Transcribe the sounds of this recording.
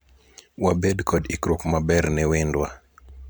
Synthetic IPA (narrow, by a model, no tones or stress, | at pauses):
wabɛdkʰɔdikɾukmabɛɾnɛwɪndwa